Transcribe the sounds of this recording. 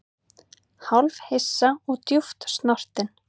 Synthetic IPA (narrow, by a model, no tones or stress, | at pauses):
hawlvhesːaɔɣt̪juft̪st̪nɔr̥t̪ɪn